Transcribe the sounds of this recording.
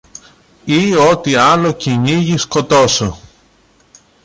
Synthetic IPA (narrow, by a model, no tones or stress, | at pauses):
io̞t̪iɐlo̞ciɲiʝisko̞t̪o̞so